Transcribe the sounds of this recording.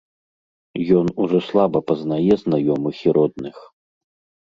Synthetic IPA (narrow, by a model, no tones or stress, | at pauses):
jɔnuʐɔslˠabɐpɐznajɛznajɔmɨxʲiɾɔd̪̚nɨx